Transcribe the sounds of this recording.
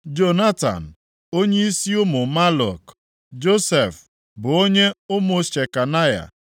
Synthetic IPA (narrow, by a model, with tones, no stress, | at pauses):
d͡ʒo˦na˦ta̰˨n̩˨ | o˦ɲe˦i˦si˦ʊ˦mʊ˨ma˦lɔ̰˨k | d͡ʒo˦se˨f | bʊ˨o˦ɲe˦ʊ˦mʊ˨ʃe˨ka˨na˦ja̰˨